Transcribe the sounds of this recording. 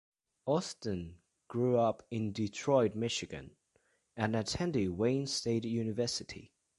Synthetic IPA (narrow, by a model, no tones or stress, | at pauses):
ɔstə̃n | ɡ̥ɹʉʌpɪ̃ndɪtʰɹ̥ɔɪd̚mɪʃɪɡɨ̰̃n | ɨ̃nətʰɛ̃ndɪd̚wẽɪ̃nsteɪtjʉnɨvɜˑsɨtʰḭ